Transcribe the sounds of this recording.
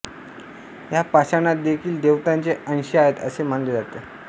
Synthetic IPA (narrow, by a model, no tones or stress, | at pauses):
japaɕanat̪̚d̪ekʰiːld̪eʋt̪ant͡seəñɕiaɦet̪ə̰sem̤aɳled͡zat̪e